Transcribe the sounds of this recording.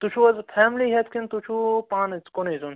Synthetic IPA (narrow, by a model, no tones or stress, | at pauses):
t̪ut͡ʃʰuɐzpʰɛːmliɦet̪kint̪ut͡ʃʰupaːnt͡skonizun